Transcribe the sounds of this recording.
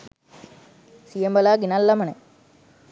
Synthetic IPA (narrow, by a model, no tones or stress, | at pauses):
sijembɐlaːɡinalːɐmɐɳe